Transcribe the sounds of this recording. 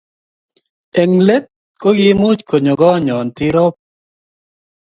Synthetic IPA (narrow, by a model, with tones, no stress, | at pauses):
ɛ˨ŋle˦t̪̚ | ko˦ɡɪ˦mʊ˦t͡ʃko˨ɲo˨ɡɔ˦ɲɔ˨nt̪ɪ˦ɾɔ˦p̚